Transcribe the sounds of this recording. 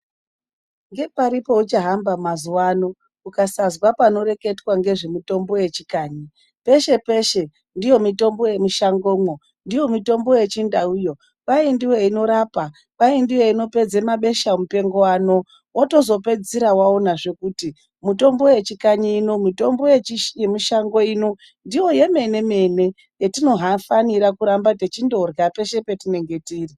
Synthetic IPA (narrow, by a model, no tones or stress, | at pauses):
ŋɡe̞paɾipo̞ut͡ʃaɦambamazuwaːno | ukasazwapano̞re̞ke̞twaŋɡe̞ʐe̞mito̞mbo̞je̞t͡ʃikaːɲi | pe̞ʃe̞pe̞ʃe̞ | ndijo̞mito̞mbo̞je̞miʃaŋɡo̞ːmwo̞ | ndijo̞mito̞mbo̞je̞t͡ʃindaujo̞ | paindiwe̞ino̞ɾapa | ʋaindiwe̞ino̞pe̞d͡ze̞maɓe̞ʃam̩upe̞ŋɡo̞waːno̞ | woto̞zo̞pe̞d͡ziɾawaonaʐe̞kuːti | mito̞mbo̞je̞t͡ʃikaɲinomito̞mbo̞jjemiʃaŋɡo̞ino | ndijo̞je̞me̞ne̞me̞ne̞ | jetino̞ɦafaniɾakuɾambate̞t͡ʃindorɡape̞ʃe̞pe̞tine̞ŋɡe̞tiːri